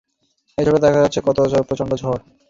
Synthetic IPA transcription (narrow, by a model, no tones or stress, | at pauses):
et͡ɕʰobed̪ɛkʰad͡ʑatːɕʰekɔt̪obat͡ɕʰoɾeɾpɾot͡ɕoɳɖod͡ʑʱɔɾ